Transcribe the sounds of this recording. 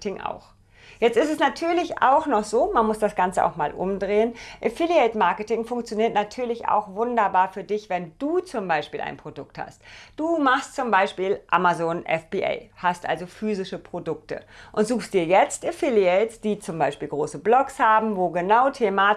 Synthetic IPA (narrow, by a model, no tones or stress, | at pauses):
tɪŋʔa̰ʊx | jɛt͡stɪstɛsnatʰyːɐlɪça̰ʊxnɔχz̥oːmanmʊsd̥asɡ̥ant͡səʔa̰ʊxmaːlʔʊ̰mdʁeːənʔɪfiliɛɪtmaɐkətɪŋfʊŋkt͡sjoniːɐtnatʰyːɐlɪça̰ʊxvʊndɐbaːɐfyːɐdɪçv̥ɛnd̥uːt͡sʊmbaɪʃpiːlʔa̰ɪnpʁ̥odʊk̚tha̰std̥uːmaχstt͡sʊmbaɪʃpiːlʔamazoːnʔɛ̰fb̥iʔa̰ɪhastʔa̰lzofyːzɪʃəpʁ̥odʊk̚tə̰ʔʊntz̥uːxstd̥iːɐjɛt͡stʔefiliɛɪtsd̥iːt͡sʊmbaɪʃpiːlɡʁoːsəblɔkshaːbm̩voːɡənaʊtʰemaː